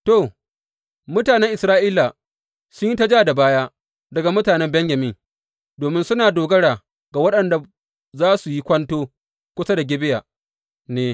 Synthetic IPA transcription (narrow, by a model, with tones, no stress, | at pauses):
to˨ | mʊ˦taː˨nɛ˦ŋʔɪ˨sɾaː˦ʔiː˦la˨ | sʊ˦ɲji˦tɐ˦d͡ʒaː˦da˨baː˦ja˦ | dɐ˨ɡa˨mʊ˦taː˨nɛ˦mbɛ˦ɲjɐ˨mɪ˦ŋ | doː˨mɪ˦nsʊ˦naː˨doː˨ɡɐ˦ɽaː˨ | ɡa˨wɐ˦ɗɐ˨nda˨ | zaː˦su˨ji˦kʷɐ˦ntoː˦ | kʷʊ˦sa˦da˨ɡʲɪ˦bɪ˦ja˨ | neː˦